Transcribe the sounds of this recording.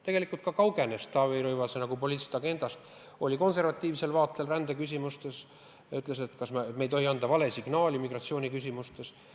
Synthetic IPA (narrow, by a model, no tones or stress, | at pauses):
t̪e̞ɡe̞likːˑult̪̚kɑkɑwɡe̞nest̪ːɑvejɾɤjvɑsenɑɡ̥upo̞liːt̪si̥t̪ɑɡ̥e̞nd̪̥ɑst̪ | o̞lʲiko̞nse̞rvɑt̪ʲːˑiːvse̞lvɑːt̪lelrænd̪̥ekys̬ʲimust̪e̞s | jɑyt̪ˑle̞s̬et̪kɑsmme̞jt̪oɦiɑnd̪̥ɑvɑle̞siɡ̥nɑːlʲimiɡrɑt̪sio̞ːnʲikysʲimust̪e̞s